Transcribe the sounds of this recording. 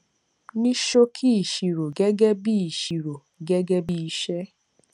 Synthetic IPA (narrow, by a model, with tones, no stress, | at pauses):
nĩ˦ʃo˦kʰi˦i˨ʃi˨ɾo˨ɡɛ˦ɡɛ˦bi˦i˨ʃi˨ɾo˨ | ɡɛ˦ɡɛ˦bi˦i˧ʃɛ˦